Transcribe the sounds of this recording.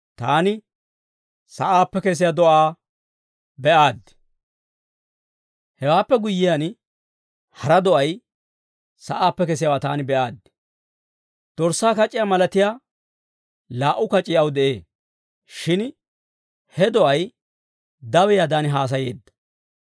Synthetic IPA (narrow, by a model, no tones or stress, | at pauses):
t̪aːnɪ | sɐʔaːpːɛkɛs̬ɪjaːd̪ɔʔaː | bɛʔaːd̪ːɪ̥ | hɛwaːpːɛɡʊjːɪjan | hɐɾɐd̪ɔʔɐj | sɐʔaːpːɛkɛs̬ɪjawaːt̪aːnɪbɛʔaːd̪ːɪ | d̪̥ɔɾsːaːkɐt͡ʃʼːɪjaːmɐlɐt̪ɪjaː | laːʔːʊkɐt͡ʃʼɪjɐwd̪ɛʔeː | ʃɪn | hɛd̪ɔʔɐj | d̪ɐwɛjaːd̪aːnɪɦaːs̬ɐje̞̰ːd̪ːɐ̥